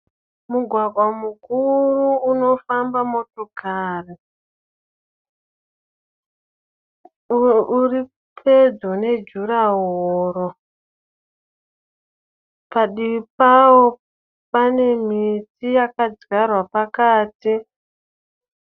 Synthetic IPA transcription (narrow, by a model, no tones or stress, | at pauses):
muɡʱwaɡʱwamukurruːno̞fambamo̞tokaːri | uri | pʰed͡zone̞d͡ʒuɾaɦoːɾo | paɗiipawo | pane̞m̤itijakad͡zɡarwapakaːti